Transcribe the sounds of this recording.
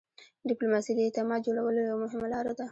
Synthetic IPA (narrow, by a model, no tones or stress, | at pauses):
ɖɪplomɑsid̪əit̪amɑd͡ʒoɽawəlojawmoɦɪmolɑɾod̪a